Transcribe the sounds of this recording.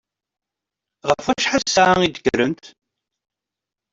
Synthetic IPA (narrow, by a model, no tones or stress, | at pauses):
ʁəfæʃħasaŋid̪əɡɾənt̪